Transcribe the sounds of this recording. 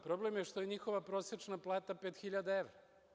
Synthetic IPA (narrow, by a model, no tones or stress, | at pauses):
pɾo̞ble̞mjeʃt̪o̞jeɲixo̞ʋapɾo̞set͡ʃnaplˠaːt̪apet̪xiʎad̪aeʋɾa